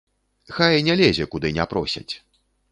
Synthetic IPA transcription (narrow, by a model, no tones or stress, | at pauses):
xajnʲalʲɛzʲɛkud̪ɨnʲɛpɾɔsʲa̰t͡sʲ